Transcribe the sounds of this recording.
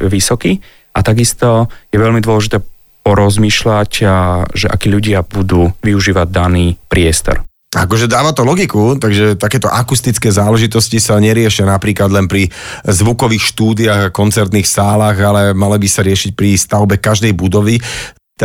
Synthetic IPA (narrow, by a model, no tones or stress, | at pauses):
ʋisɔki | ʔat̪aɡist̪ɔjɛʋɛʎmid̪ʊɔlɛʒit̪ɛː | pɔɾɔzmiːʃlacʒɛʔa̰kɛːʎuɟɪabud̪uːʋiuʒiːʋaɟ̚d̪aniːpɾɪɛst̪ɔ̰ɾ | akɔʒɛd̪aːʋat̪ɔlɔɡikut̪aɡʒɛt̪akɛːt̪ɔʔakust̪it͡skɛːzaːlɛʒit̪ɔscisaɲɛɾɪɛʃɪanapɾiːklad̪lɛnpɾizʋukɔʋiːxʃt̪uːd̪iaɣakɔnt͡sɛɾt̪niːxsaːlaːɣalɛmalibisaɾɪɛʃic̚pɾist̪aʊbɛkaʒd̪ɛjbud̪ɔʋi | t̪